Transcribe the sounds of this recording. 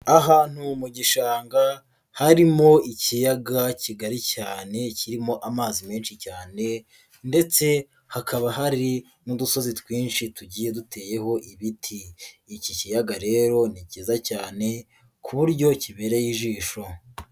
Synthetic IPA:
aɦaːn̥humuɟiʃaːŋɡa | haɾimo̞icijaɡaciɡaɾicaːne̞ciɾimo̞ʔamaːzime̞ːnʃicaːne̞ | nde̞t͡se̞ | hakaβaɦaɾi | nuduso̞zitwiːnʃituɟiːje̞dutʰe̞ːje̞ho̞ʔiβitʰiː | cicijaɡaɾe̞ːɾo̞niciːzacaːne̞ | kʰuβuɾɟo̞ciβe̞ɾe̞jiʒiːʃo̞

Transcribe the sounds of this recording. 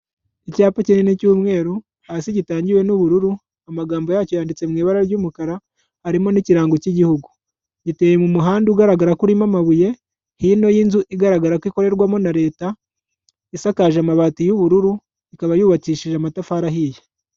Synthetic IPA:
icaːpocinenicuːmŋe̞ːɾu | hasiɟitaːɲɟiwe̞nuβuɾuɾu | amaɡaːmbo̞jaːco̞jaːndit͡se̞mŋiːβaɾaɾɟumukaɾaː | ɾimo̞niciɾaːŋɡociɟihuɡu | ɟite̞ːje̞mumuɦaːndiːɡaɾaɡaɾakuɾimamaβuje̞ | hino̞jinzuʔiɡaɾaɡaɾakwiko̞ɾe̞ɾɡwamo̞naɾe̞ːta | isakaːʒamaβaːtijuβuɾuɾu | ikaβajuːβakiːʃiʒamatafaːɾaɦiːje

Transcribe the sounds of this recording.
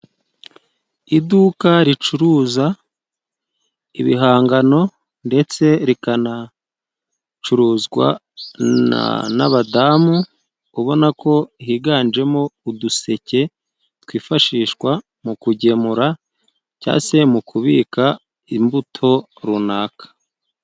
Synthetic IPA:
idukaɾit͡ʃuɾuːza | iβḭɦaːŋɡano̞ | nde̞t͡se̞ɾikana | t͡ʃuɾuːzɡwa̰ | a̰na̰βadamuː | βo̞nako̞iɦiːɡaːnd͡ʒe̞mo̞uduse̞ce̞ | tkwiːfaʃiːʃkwa | mukuɟe̞muɾa | ca̰ːse̞mukʰuβiːka | imbutʰo̞ | ɾunaːkḁ

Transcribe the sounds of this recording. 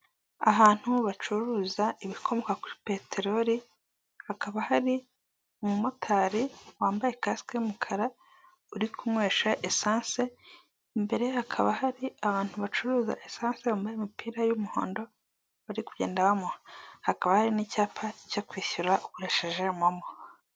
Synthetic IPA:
a̰βaːn̥huβat͡ʃuɾuːzaiβikʰo̞mo̞kakuɾi̥pe̞teɾo̞ɾi | hakaβahaɾi | umumotʰaːɾiwaːmbaje̞kaskeumukʰaɾa | uɾikʰumwe̞ːʃaʔesaːnse̞ | mbe̞ɾe̞hakʰaβahaɾiaβaːn̥huβat͡ʃuɾuːza̰ʔesaːnseβaːmbajemipiːɾajumuho̞̰ːndo̞ | βaɾikuɟe̞ːndaβamohakaβahaɾinicaːpʰacokwiːçuɾaʔukuɾeʃeʒe̞momo

